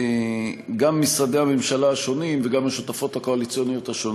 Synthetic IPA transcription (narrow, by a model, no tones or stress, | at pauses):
eɡamːisad̪ehame̞mʃalaːʃo̞nimveɡamaʃot̪afo̞thako̞alit͡sijonijo̞t̪haʃon